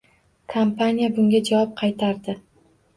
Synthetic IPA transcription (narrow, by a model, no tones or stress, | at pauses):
kʰampʰanʲijabʊŋɡʲad͡ʒawɒp̚qʰɑjt̪ʰaɾd̪ɪ